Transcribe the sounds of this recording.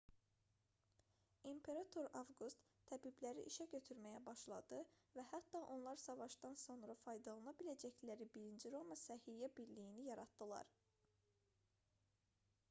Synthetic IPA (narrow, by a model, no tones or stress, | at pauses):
impʰe̞ɾɑt̪ʰo̞ɾɑvɡust̪ʰːæbiblæɾḭʔiʃæɟø̞t̪ʰyɾmæjæbɑʃlˠɑd̪ɯvæhæt̪ːɑʔo̞nlˠɑɾsɑvɑʃd̪ɑnso̞nɾɑfɑjd̪ɑlˠɑnɑbilæd͡ʒæçlæɾibiɾind͡ʒiɾo̞mɑsæhijæbiɾlijinijɑɾɑt̪̚d̪ɯlˠɑ̰ɾ